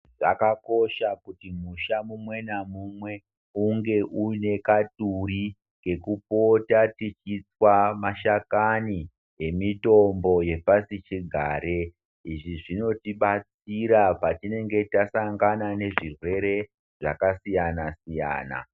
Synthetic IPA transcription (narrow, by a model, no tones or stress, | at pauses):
ʐakako̞ʃakutimuʃamumwe̞namumwe̞ | uŋɡe̞ʔune̞katuɾi | ke̞kupo̞tatit͡ʃit͡swamaʃakani | ɦe̞mito̞mbo̞je̞pasit͡ʃiɡʱaːɾe | iʐiʐino̞tiɓat͡s | iɾapatine̞ŋɡe̞tasaŋɡanane̞ʐirwe̞ɾe̞ | ʐa̰kasijanasija̰ːna̰